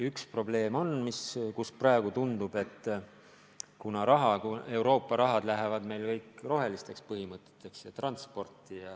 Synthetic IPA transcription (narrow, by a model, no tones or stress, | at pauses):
ykspro̞ble̞ːmo̞nmiskusprɑeɡ̥ut̪und̪̥ub̥e̞t̪ːˑ | kunɑɾɑɦɑkue̞wɾo̞ːpːˑɑɾɑɦɑd̪læɦevɑd̪me̞jlkɤjkro̞ɦe̞list̪e̞kspɤɦimɤt̪ːˑet̪ːˑe̞ksjɑt̪rɑnt̪spo̞rt̪ːˑijɑ